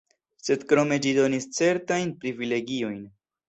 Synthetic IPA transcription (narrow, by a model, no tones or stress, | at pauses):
se̞d̪kɾo̞me̞d͡ʒido̞nist͡se̞ɾtajnpɾivile̞ɡio̞jn